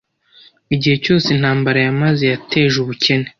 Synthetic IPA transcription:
iɟihe̞co̞ːsenhaːmbaɾajamaze̞jatʰe̞ːʒuβucʰe̞ne

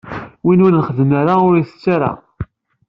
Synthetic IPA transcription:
winʊɾnəχəðəmaɾaʊɾiθə̥t͡sːaɾa̰

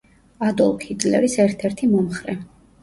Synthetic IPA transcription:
ad̪ɔlˠkʰid̪lɛ̰ɾisɛɾt̪ʰɛɾt̪ʰimɔmχɾɛ

